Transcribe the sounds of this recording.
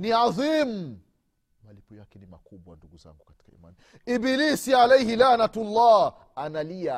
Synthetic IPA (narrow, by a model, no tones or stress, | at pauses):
niaðiːm̩ | malipɔjakɛnimakuɓwanduɡuza̰ŋɡukḁti̥ka̰ḭma̰ni | ibiliːsialɛjhilaːnatlˤːa | analia